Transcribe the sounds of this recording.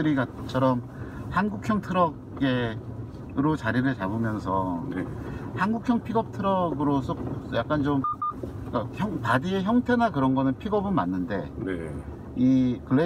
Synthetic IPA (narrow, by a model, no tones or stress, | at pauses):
ɯɾiɡat͡ɕʰʌɾʌm | hanɡukʰjʌŋtʰɯɾʌ | ɡe | ɾot͡ɕaɾiɾɯɭt͡ɕabɯmjʌnsʰʌ̰ | hanɡukʰjʌŋpʰiɡʌp̚tʰɯɾʌɡɯɾosʰosʌjak͈ant͡ɕomk͈açʌŋpadieçjʌŋtʰenakɯɾʌnɡʌnɯnpʰiɡʌbɯnmanːɯnde̞ne | ikɯɭe